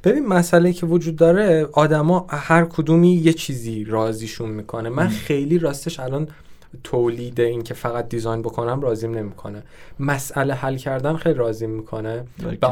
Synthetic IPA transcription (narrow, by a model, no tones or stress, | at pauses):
b̥e̞biːnmæsʔæleiːcʰe̞vod͡ʒuːd̪̚ːɒːɾe̞ɒːd̪æmɒːhæɾkʰod̪uːmiːje̞t͡ʃʰiːziːɾɒːziːʃunmiːkʰo̞nemænxe̞jliːɾɒːst̪eʃælɒːn | t̪ʰoliːd̪e̞incʰe̞fæɣæt̪̚d̪izɒjnbo̞kʰo̞næmrɒːziːmne̞mikʰo̞̰ne | mæsʔælehælcʰæɾd̪ænxejliɾɒːzimːiːkʰo̞ne